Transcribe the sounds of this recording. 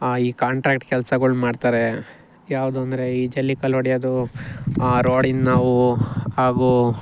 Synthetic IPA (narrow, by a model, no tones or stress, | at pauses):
iːkaːɳʈɾaːk̚ʈkɛlsɐɡɐɭmaːɖt̪aːɾe | jaːʋud̪uɐnd̪ɐɾe̞iːd͡ʒɐlːikɐlɦoɽijaːd̪u | aːɾoːɽinnaːʋuaːɡu